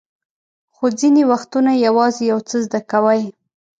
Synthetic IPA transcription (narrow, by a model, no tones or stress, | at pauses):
xod͡zinewaxt̪unajawɑzejawt͡səzd̪akawəj